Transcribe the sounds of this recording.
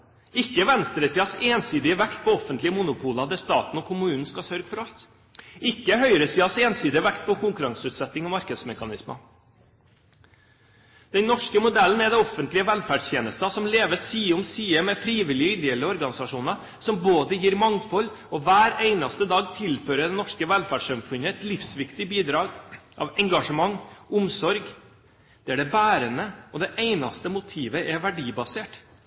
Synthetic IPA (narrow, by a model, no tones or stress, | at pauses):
ɪkːəʋɛnst̪ɾəsiːɑseːnsiːd̪ɪəʋɛkt̪̚pʰɔɔfːənt̪lɪəmʊnʊpʰuːlɑd̪æɾst̪ɑːt̪n̩ɔkʰʊmʉːnn̩skɑsœɾɡəfɔɾɑlt̪ | ɪkːəhœʏɾəsiːɑseːnsiːd̪ɪəʋɛkt̪̚pʰɔkʰʊŋkʉɾɑŋsʉːt̪sɛt̪ːɪŋɔmɑɾkəd̪smɛkɑnɪsmə̰ | d̪̥ɛnnɔʂkəmʊd̪ɛlən̩ɛd̪ɛɔfənt̪lɪəʋɛlfæːɖʂt̪jeːnəst̪ɑsɔmleːʋəsiːʊmsiːəmɛfɾiːʋɪlɪʏd̪eləɔɾɡɑnɪsɑʂuːnɑ | sɔmboːd̪əjiːɾmɑŋt̪fɔlː | ɔʋæːɾeɪnɑst̪əd̪ɑːɡ̚t̪ʰɪlføːɾəɖ̪ɛnɔʂkəʋɛlfæɖʂɑmfʉnəɛt̪lɪfsʋɪkt̪ɪbiːd̪ɾɑːɡʔɑ̰ʋɛŋɡɑʂəmɑŋːʊmsɔɾɡ | d̪̥ɛæɖɛbæːɾənəɔd̪ɛʔeɪnɑ̰st̪əmʊt̪ʰiːʋəʔɛʋæɖiːbɑseːʈ